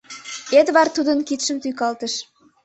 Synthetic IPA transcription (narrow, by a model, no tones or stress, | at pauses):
et̪βɑrt̪ud̪ənkit̪ʃəmt̪yjkɑlt̪əʃ